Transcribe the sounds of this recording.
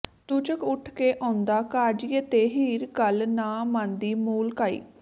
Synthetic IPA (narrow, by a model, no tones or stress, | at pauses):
t̪ut͡ʃəkʊʈʰkeːʔãːnd̪aːkaːd͡ʒiət̪eːɦiːɾkəlnaːmãːnd̪iːmuːlkaːḭː